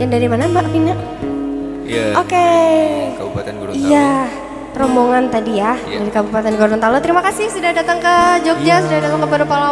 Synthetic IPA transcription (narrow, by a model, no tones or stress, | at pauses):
jaŋdaɾimanabaʔpina | ʔoke | ija | ɾɔmboŋant̪adijahdaɾikabupat̪ɛnkɔɾdɔnt̪alɔt̪əɾimakasɪhsudahdat̪əŋkəd͡ʒɔk̚ɲasudahdat̪əŋkəpɛɾupala